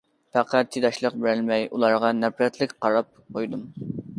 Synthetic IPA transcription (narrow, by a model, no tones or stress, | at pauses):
pæqʰæt̪ʰːid̪ɑʃlˠəq̚beɾɪlmɛjulˠɑɾʁɑnɛpɾɛt̪lɪkʲqʰɑɾɑp̚ːojd̪um